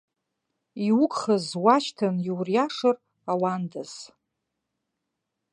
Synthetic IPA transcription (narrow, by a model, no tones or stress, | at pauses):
iwʊkʼχəzwaʃtʰanjiwrjaʂɨr | awandaz̥